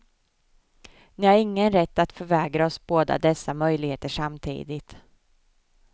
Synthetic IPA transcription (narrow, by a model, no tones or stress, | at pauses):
nɪhaɾɪŋːənɾɛt̪ːat̪fœɾvɛːɡɾaɔsboːd̪a̰d̪ɛsːamœjlɪɡheːt̪əʂamt̪ʰḭːd̪ɪt̪